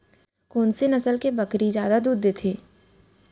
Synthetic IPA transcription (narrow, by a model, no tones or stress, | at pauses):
kɔːnsenɐsəlkebɐkɾizjaːd̪ad̪uːd̪ːet̪ʰeː